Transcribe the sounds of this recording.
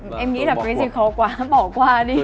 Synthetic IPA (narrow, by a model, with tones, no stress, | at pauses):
ʔɛ˧mŋḭ˧˥laː˨˩pe˧˨˦zi˧xɔ˧kwaː˨˦ɓɔ˧˩kwaː˧ɗi˧